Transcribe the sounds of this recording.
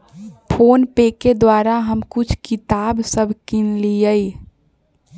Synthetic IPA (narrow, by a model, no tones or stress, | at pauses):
pʰoːnpeked̪waɾaɦəmkʊt͡ʃʰkit̪absəbʱkinlijəi